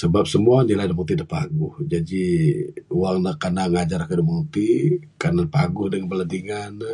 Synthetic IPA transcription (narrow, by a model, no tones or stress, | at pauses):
səbap̚səmuaniladəmut̪idəpaɡʊhd͡ʒadi | uwaŋnəkanaŋad͡ʒaɾakədəmuut̪i | kanapaɡʊhdəŋənbəladiŋanə